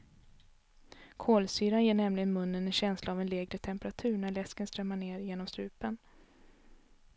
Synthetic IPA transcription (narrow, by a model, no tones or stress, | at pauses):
kʰoːlsyːɾanjeːɳɛmlɪɡənmɵnːənɛnɕɛnslaːvɛnleːɡɾət̪ʰɛmpɾat̪ʰʉ̟ːɳæɭɛskənst̪ɾɛmːaɳeːɾjeːnɔmst̪ɾʉ̟ːpən